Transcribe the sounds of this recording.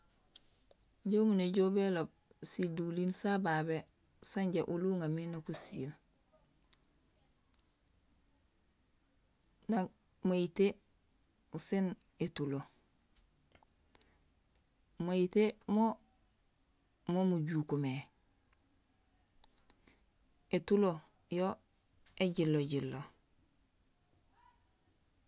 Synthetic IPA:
ɟomuneɟoːbelob̚ | sidulinsababe | saɲɟeʔuluŋaminokusil | na | maite | sin | etulo | moitemo | momuɟuːkome | etulo | jo | eɟilːoɟilːo

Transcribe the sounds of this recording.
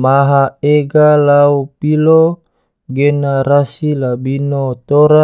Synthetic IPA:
maɦaeɡalaupilo | ɡenaɾasilabinot̪oɾa

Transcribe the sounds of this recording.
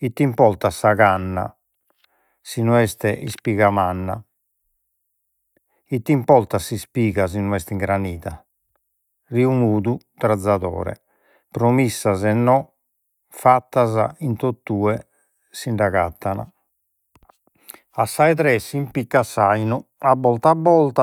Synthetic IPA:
it̪ːimpɔɾt̪asːaɣanːa̰ | sinuɛst̪ɛʔispiɣamanːa̰ | it̪ːimpɔɾt̪asispiːɣazinɔɛst̪iŋɡɾaniːða | riumuːd̪u | t̪ɾad̪zːaðɔ̰ːɾɛ̰ | pɾomisːazɛnːɔ | fat̪ːaza̰int̪ot̪ːuːɛ | siɳɖaɣat̪ːana̰ | asːaɛt̪̬ɾɛsimpikːasajnuabːɔlt̪abːɔlt̪a

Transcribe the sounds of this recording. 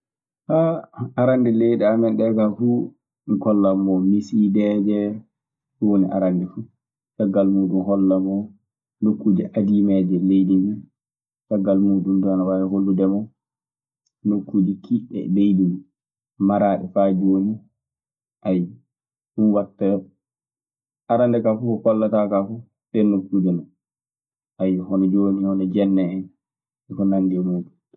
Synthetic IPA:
haaɾandɛlejɗɛamɛnɗɛkafu | nkɔlːamːɔmisidɛd͡ʒɛ | wonḭʔa̰ɾandɛfu | saɡːalmuːɗumɦɔlːamɔ | nokːud͡ʒiʔadimɛd͡ʒɛlejdimɛ | saɡːalmuːɗumdɔanawawɛɦolːudɛmɔ | nokːud͡ʒikʰiɗɛ̰lejdimi | maɾaːɗɛfad͡ʒoːɲɔ | ʔaj | ɗuwatːa | ʔaɾandɛkafukɔkɔlːatakafu | sɛnokːud͡ʒɛnɔ | ʔajɔhɔnɛd͡ʒoːnihɔnɛd͡ʒɛnːɛɛn | ɛkɔnanɡɛmuːɗum

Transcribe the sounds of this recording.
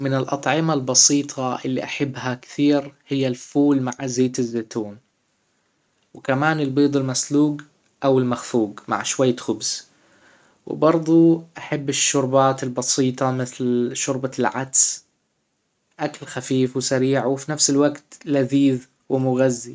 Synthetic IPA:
mɪnɪlʔɑt̪ˤʕɪmalbɑsiːt̪ˤʰɑʔɪ̰lːḭʔaħɪbːhakθiːɾhɪjːalfuːlmaʕzeːt̪ɪzːeːt̪uːn | wɪkamaːnɪlbeːd̪ˤɪlmasluːɡ | ʔawɪlmaxfuːɡma̰ʕʃwajːxʊbz̥ | wɪ̰bɑɾˤd̪ˤuʔaħabːɪʃːʊɾbaːt̪ɪlbɑsiːt̪ˤɑmɪθlʃʊɾbalʕad̪s | ʔakalxafiːfwɪsaɾiːʕwɪfinafsɪlwaɡt̪laðiːð | wɪmʊɣazːi

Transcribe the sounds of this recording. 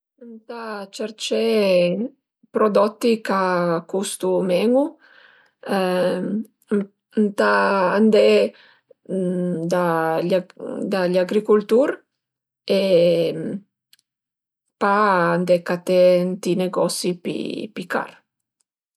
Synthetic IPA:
nt̪at͡ʃɛɾt͡ʃɛ | pɾod̪ɔt̪ːikakust̪umɛŋu | nt̪aand̪ɛ | d̪aʎd̪aʎaɡɾikult̪uɾ | e | paand̪ɛkat̪ɛnt̪ineɡɔsipḭpika̰ɾ

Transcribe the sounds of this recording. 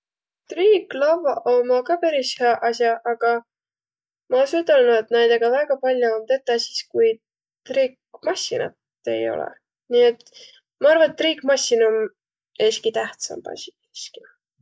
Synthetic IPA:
t̪riːɡlɑvɑʔomɑkɑpæɾisheɑʔɑsjɑʔɑɡ̥ɑ | mɑsut̪ɑlnuet̪ːnæjd̪̥eɡ̥ɑvæɡ̥ɑpɑlʲjuomt̪e̞t̪ːˑɑsiskuj | t̪riːk̚ | mɑsḭnɑ̰t̪ː | e̞̰jo̞̰lɛ̰ | niet̪ | mɑɑrvɑet̪ːriːkmɑsʲːinum | eːskit̪æht̪sɑ̰mb̥ɑ̰sʲi̥k | ski

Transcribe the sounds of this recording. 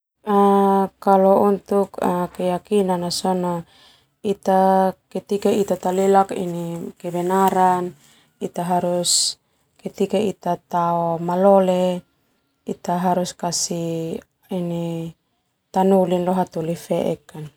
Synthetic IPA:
akalɔunt̪ukakɛjakinanasɔnɔ | it̪akɛt̪ikait̪at̪alilakḭnikɛbɛnaɾan | it̪aɦaɾus | kɛt̪ikait̪at̪aɔmalɔlɛ | it̪aɦaɾuskasi | ini | t̪anulinlɔɦat̪ulifɛʔɛ̰kːan

